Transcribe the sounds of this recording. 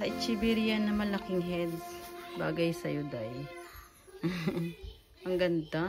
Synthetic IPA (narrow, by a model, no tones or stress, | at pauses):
ɐʔɪt͡ʃibɛɾjanːɐmɐlakɪŋɦɛd̪sba̰ːɡɐjsɐjod̪ɐj | m | ʔɐŋɡɐnd̪a